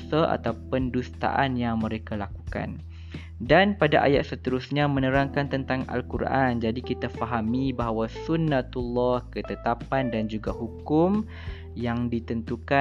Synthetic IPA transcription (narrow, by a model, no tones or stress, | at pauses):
saʔa̰t̪apʊndust̪a̰ʔanjaŋmə̃ɾekalakuka̰n | danpadaʔa̰ja̰t̪̚sət̪əɾusɲamə̃nə̃ɾaŋkant̪ənt̪aŋa̰lkuɾʔa̰nd͡ʒadikit̪afaɦamibaɦawasunːãt̪ulːɔhkət̪ət̪apandand͡ʒuɡaɦukʊm | jaŋdit̪ənt̪uka